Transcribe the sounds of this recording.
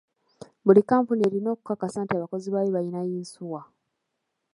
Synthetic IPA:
βulikaːmpunie̞ɾino̞ːku̥kakːasaːntiaβako̞ziβaːjoβajinajiːnsuwa

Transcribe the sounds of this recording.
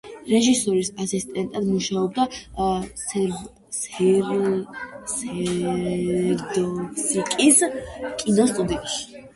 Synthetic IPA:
ɾɛʒisɔɾisasist̪ʼɛnt̪ʼad̪muʃaɔb̚d̪a | sɛ | ɾd̪ɔsikʼiskʼinɔst̪ʼud̪itʃi̥

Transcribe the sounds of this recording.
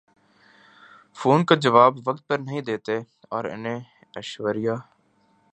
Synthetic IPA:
foːnkad͡ʒəʋaːbʋək̚t̪̚pəɾnəɦĩd̪eːt̪e | ɔːɾɪ̰nẽ | əʃʋəɾɪjaː

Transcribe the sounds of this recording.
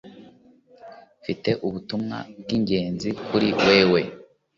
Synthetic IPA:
fite̞ʔuβutumŋa̰bɡiɲɟe̞ːnzikʰuɾiwe̞ːwe̞

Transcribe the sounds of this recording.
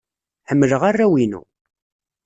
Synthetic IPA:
ħəmːələʁarːæwinṵ

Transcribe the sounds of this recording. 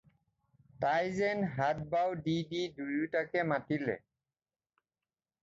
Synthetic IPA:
tajzɛnɦat̚bawdididujutakɛmatilɛ̰

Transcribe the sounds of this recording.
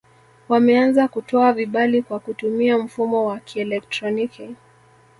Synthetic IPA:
wamɛanzakutɔaviɓalikwakutumiam̩fumɔwakʰiɛlɛk̚tɾɔniki

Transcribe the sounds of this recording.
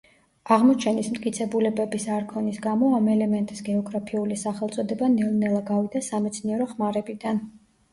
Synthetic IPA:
aʁmɔt͡ʃʰɛnismt̪kʼit̪sʰɛbulɛbɛbisaɾkʰɔnisɡamɔamɛlɛmɛnt̪ʼisɡɛɔɡɾapʰiulisaχɛlˠt̪sʼɔd̪ɛbanɛlnɛlˠaɡavid̪asamɛt̪sʰniɛɾɔχmaɾɛbid̪an

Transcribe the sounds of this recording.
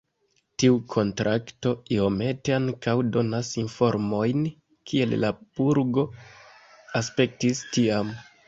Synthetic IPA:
tiukʰo̞ntɾʔakto̞io̞me̞te̞aŋkawdo̞nasinfo̞ɾmo̞jn | kʰie̞llab̥uɾɡo̞ | aspe̞k̚tistiam

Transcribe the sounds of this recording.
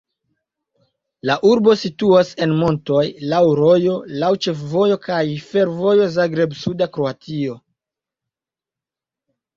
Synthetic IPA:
laʔuɾbo̞situase̞nmo̞nto̞jlawɾo̞jo̞lawt͡ʃe̞fvo̞jo̞kajfe̞ɾvo̞jo̞zaɡɾe̞bsudakɾoatio̞

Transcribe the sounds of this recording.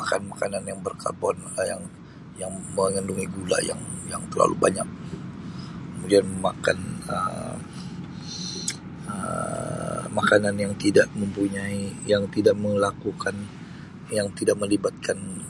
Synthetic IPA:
akanmakananjaŋbərkʰa̰rbɔnja̰ŋ | jaŋməŋənduŋiɡula̰ja̰ŋja̰ŋt̪ərla̰lubaɲak̚ | kəmudianməmaka̰nə̰ | ə̰ | makananjaŋt̪idaʔməmpuɲaijaŋt̪idaʔməlakukʰan | jaŋt̪idaʔ̚məlibat̪̚kʰan

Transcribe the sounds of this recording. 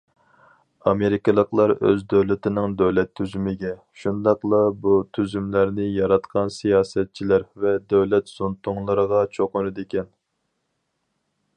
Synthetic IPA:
ɑmeɾɪkʲɪlˠəqlˠɑɾø̰zd̪øwlɪt̪ɪnɪŋd̪øwlɛt̪ʰːyzymɪɡʲɛ | ʃund̪ɑqlˠɑbut̪ʰyzymlæɾnɪjɑɾɑt̪qʰɑnsijɑːsɛt̪̚t͡ʃʰilæɾvɛd̪øwlɛt̪z̥unt̪ʰʊŋlˠəɾəʁɑt͡ʃʰoqʊnɨd̪ekʲʰɛn

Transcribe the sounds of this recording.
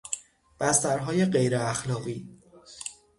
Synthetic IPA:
b̥æst̪æɾɦɒːje̞ɢe̞jɾeæxlɒːɣiː

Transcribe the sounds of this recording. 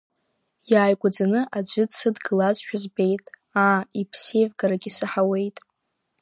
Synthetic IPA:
jaːjɡʷad͡zanɨʔad͡ʒʷʏdsɨdɡɨlazʃᶣazbe̞jtʼ | aːipʰsevɡaɾaɡʲisɨħawe̞jtʼ

